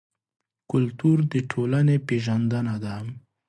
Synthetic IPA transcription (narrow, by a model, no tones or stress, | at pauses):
kʊlt̪uɾd̪əʈʰolanepeʒand̪ənad̪am